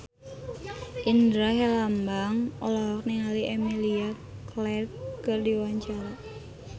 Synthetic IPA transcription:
ʔindɾaɦɛlambaŋɔlaɦɔk̚niŋaliɛmilia | klɛrkərdiwaɲt͡ʃaɾa

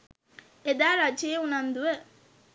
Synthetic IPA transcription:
ed̪aːɾad͡ʒeeunand̪uʋə

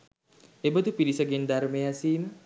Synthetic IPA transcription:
ebəd̪upiɾisəɡend̪aɾmejasiːmə

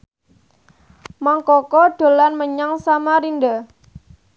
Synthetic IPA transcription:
maŋkɔkɔɖ̪̥o̤lanməɲaŋsamaɾinda

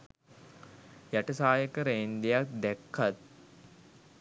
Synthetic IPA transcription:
jæʈəsaːjəkəɾeind̪ejak̚d̪ækʰːat̪̚

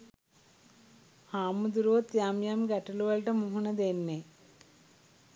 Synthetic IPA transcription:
haːmud̪uɾuʋot̪jaːmjaːmɡɐʈːɐluʋɐlʈɐmuɦuɳɐd̪eːnːe

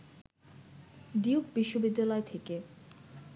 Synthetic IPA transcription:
d̪iukbiʃːobid̪ːalɔet̪ʰeke

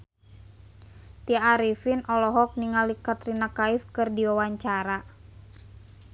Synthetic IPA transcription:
t̪iaaɾifinʔɔlɔɦɔk̚niŋalikat̪rinakaifkɨrdiwawaɲt͡ʃaɾa

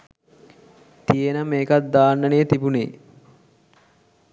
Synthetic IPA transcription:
t̪ijenəmeːkat̪̚d̪aːnːəneːt̪ibunḛː

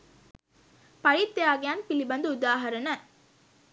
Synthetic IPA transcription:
pɐɻit̪ːejaːɡejaːnpilibɐnd̪uud̪aːɦɐɾɐnə

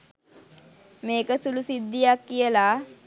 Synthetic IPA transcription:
meːkəsulusid̪ːijakːijəla

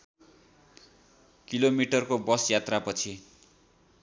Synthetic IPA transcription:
kilomiʈʌrkobʌsjat̪rapʌt͡sʰi

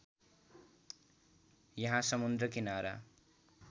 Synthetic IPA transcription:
jʌɦãsʌmund̪rʌkinaɾa̰

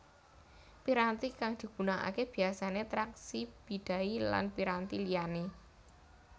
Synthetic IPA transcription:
piɾant̪ikaŋd̪̥i̤ɡ̥ṳnaʔa̰keb̥i̤asanet̪ɾaksib̥i̤d̪̥a̤ila̰npiɾant̪ilijane

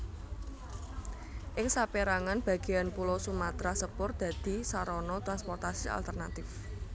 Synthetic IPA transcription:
ʔɪŋsapeɾaŋanb̥ä̤ɡ̥ejanpulɔsumat̪ɾasəpʊrd̪̥ä̤d̪̥i̤saɾɔnɔt̪ɾanspɔrt̪asia̰lt̪ərnat̪ɪf

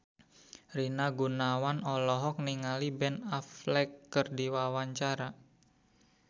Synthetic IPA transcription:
rinaɡunawanɔlɔɦɔk̚niŋalibɛnaflɛkːərdiwawaɲt͡ʃaɾa

